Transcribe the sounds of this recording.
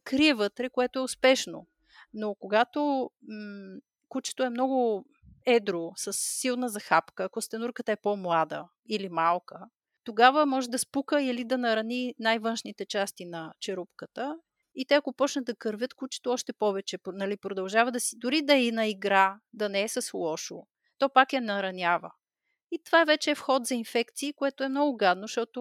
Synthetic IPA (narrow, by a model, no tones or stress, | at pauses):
kɾiɛvət̪ɾɛkoɛt̪oɛʊspɛʃno̰ | nokoɡat̪o | kut͡ʃɛ̥t̪oɛmnɔɡʊ | ɛd̪ɾosɐsːilˠnəzɐxapkəːkost̪ɛnuɾkət̪əɛpɔmlˠad̪ə̰ | ilimalˠkə | t̪oɡavəmɔʒɛd̪ɐspukəilid̪ɐnɐɾɐninajvɤnʃnit̪ɛt͡ʃast̪inɐt͡ʃɛɾupkət̪ə | it̪ɛɐkopɔt͡ʃnɐt̪̚d̪ɐkəɾvʲjət̪kut͡ʃi̥t̪oɔʃt̪ɛpɔvɛt͡ʃɛpnɐlipɾod̪ɐlˠʒavəd̪ɐsid̪ʊɾid̪ɐinɐiɡɾad̪ɐnɛɛsɐslˠɔʃo | t̪ɔpakjɐnɐɾɐnʲavə̰ | it̪ovavɛt͡ʃɛːfxɔt̪zɐinfɛkt̪siːkoɛt̪oɛmnɔɡʊɡad̪noʃt̪ɔt̪o